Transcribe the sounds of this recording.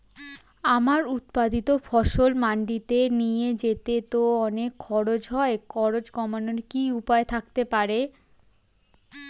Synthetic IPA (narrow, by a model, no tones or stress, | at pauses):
amaɾut̪̚pad̪it̪ofɔʃolmaɳɖit̪enijed͡ʑet̪et̪oɔnekʰːɔɾod͡ʑɦɔekkʰɔɾod͡ʑkɔmaneɾkiupaet̪ʰak̚t̪epaɾe